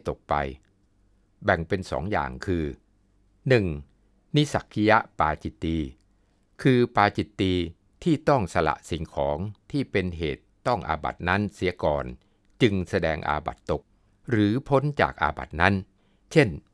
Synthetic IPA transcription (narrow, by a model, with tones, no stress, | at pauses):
t̪o˨˩k̚pa̰˧j | bɛ˨˩ŋpe˧nsɔ̰ː˩˦ŋja̰ː˨˩ŋkʰɯː˧ | nɯ˨˩ŋ | ni˦˥sa˨˩kʰːi˦˥ja˦˥ʔpaː˧t͡ɕi˨˩t̪ːiː˧ | kʰɯː˧paː˧t͡ɕi˨˩t̪ːiː˧ | t̪ʰiː˥˩t̪ɔ˥˩ŋsa˧la̰˨˩ʔsi˨˩ŋkʰɔː˩˦ŋt̪ʰiː˥˩pe˧nɦḛː˨˩t̪ːɔ˥˩ŋʔa̰ː˧ba̰˨˩t̪̚na˦˥nsiː˩˦ɐkɔ̰ː˨˩n | t͡ɕɯ˧ŋsa˧dɛː˧ŋʔa̰ː˧ba̰˨˩t̪ːo˨˩k̚ | ɾɯː˩˦pʰo˦˥nt͡ɕa̰ː˨˩k̚ʔa̰ː˧ba̰˨˩t̪̚na˦˥n | t͡ɕʰe˥˩n